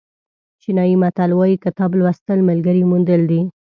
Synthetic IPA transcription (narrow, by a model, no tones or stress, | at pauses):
t͡ʃinɑjimat̪alwɑjikət̪ɑblwast̪əlmalɡəɾimund̪əld̪i